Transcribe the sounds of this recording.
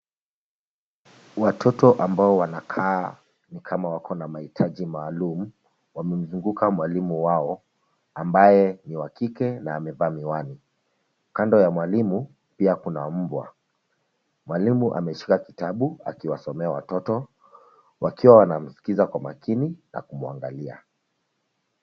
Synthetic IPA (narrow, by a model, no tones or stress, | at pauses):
watʰɔtɔʔambaɔwanakʰaː | nikʰamawakʰɔnamahitʰaʄimaːlumu | wamɛm̩zuŋɡukʰamwalimuwaɔ | ambajɛniwakikɛnaːmɛvaːmiwani | kandɔjamwalimu | piakunam̩bwa̰ | mwalimuʔa̰mɛʃi̥kakitaɓua̰kiwasɔmɛawatɔtɔ | wʔakiwawanam̩si̥kizakwama̰kinina̰kumua̰ŋɡalia̰